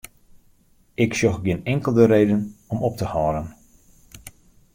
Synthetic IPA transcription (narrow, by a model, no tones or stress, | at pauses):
ɪksjɔxɡɪnɛŋkəlˠdəɾeːdənɔmɔp̚təhɔːɾən